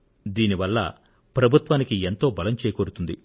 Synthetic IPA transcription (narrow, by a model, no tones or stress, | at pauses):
d̪iːniʋɐlːɐ̰ | pɾɐbʱut̪ʋaːnikient̪o̞ːbɐlɐmt͡ʃeːjɐkoɾut̪und̪ḭ